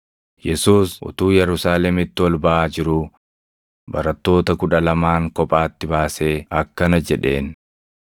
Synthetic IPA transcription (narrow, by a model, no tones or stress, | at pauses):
jɛsuːsʔʊ̰t̪uːjɛɾʊsaːlɛmɪt̪ːɪwɔlbɐʔaːd͡ʒɪɾʊ | bɐ̰ɾɐt̪ːo̞ːt̪ɐkʊᶑɐlɐmaːŋkɔpʼaːt̪ːɪbaːse̞ːɐkːɐnɐd͡ʒɛᶑe̞̰ːn